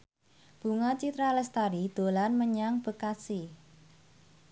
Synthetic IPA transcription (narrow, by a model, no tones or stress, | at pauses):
b̥ṳŋat͡ʃit̪ɾalɛst̪aɾid̪̥o̤lanməɲaŋb̥ə̤kasi